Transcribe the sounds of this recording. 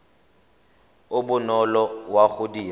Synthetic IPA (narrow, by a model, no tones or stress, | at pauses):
ʊbʊnɔlɔwaχʊdiː